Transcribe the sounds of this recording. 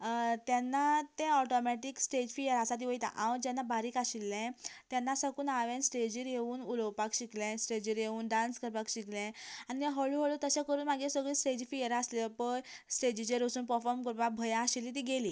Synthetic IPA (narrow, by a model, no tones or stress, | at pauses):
t̪janːat̪eɔʈɔmɛʈiksʈed͡ʑfijəɾasat̪̬iʋəjt̪a̰ʔaʋəd͡ʑɛnːabaɾiːkaɕilːɛ̃t̪janːasəkuːnaʋẽnsʈed͡ʑiːɾjeuːnuləwpakɕiklɛ̃sʈed͡ʑiɾjeuːnɖãnskəɾpakɕiklɛ̃aniɦəɭuɦəɭut̪əɕãkəɾuːnmaɡesəɡɭiːsʈed͡ʑfijəɾaːsleləpəjsʈed͡ʑid͡ʑeɾəsuːnpəɾfɔɾmkəɾpak̚bʱəjaɕilːit̪̬iɡeli